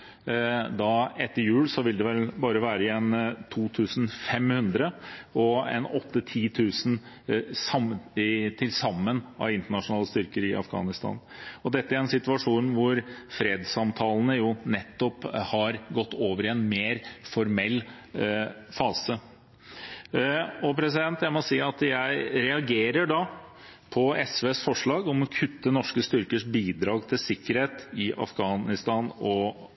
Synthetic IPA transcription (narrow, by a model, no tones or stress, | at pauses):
d̪ɑɛt̪ːəɾjʉːlsɔʋɪld̪ɛʋɛlbɑːɾəʋæːɾəɛnt̪ʰuːt̪ʰʉːsn̩fɛmhʉnd̪ɾəɔɛ̰nɔt̪ːət̪ʰiːt̪ʰʉːsn̩ | sɑmt̪ʰɪlsɑmːənʔɑ̰ʋɪnt̪əɳɑʂʊnɑːləst̪ʏɾkəɾɪʔɑ̰fɡɑ̰ːnɪst̪ʰɑ̰ːn | ɔd̪ɛt̪ːəæɾɛnsɪt̪ʉɑʂuːnʋʊɾfɾeːd̪sɑmt̪ʰɑːlnəjʊnɛt̪ːɔphɑɾɡɔt̪ːoːʋəɾɪɛnmeːɾfɔɾmɛlː | fɑːsə | ɔpʰɾɛs̬ɪd̪ɛnt̪jæɪmɔsiːɑt̪jæɪɾɛɑɡeːɾəɖɑpʰɔɛsʋeːsfɔʂɭɑːɡɔmɔkʰʉt̪ːənɔʂkəst̪ʏɾkəʂbiːd̪ɾɑːɡt̪ʰɪlsɪkːəɾheːt̪ɪʔɑ̰fɡɑːnɪst̪ɑːnɔ